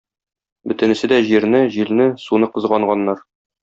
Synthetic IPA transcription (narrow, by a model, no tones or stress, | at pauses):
bɵ̆t̪ɘ̆nɘ̆sɘd̪æʑiɾnɘʑilnɘsunɤqɤ̆zʁɑɴɢɑnːɑɾ